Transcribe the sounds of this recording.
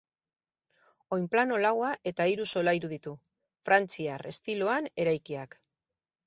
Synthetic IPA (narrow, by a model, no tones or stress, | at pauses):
o̞jmplano̞lawaʔe̞t̪aiɾuso̞lajɾuðit̪u | fɾant͡siare̞st̪ilo̞ane̞ɾajkiak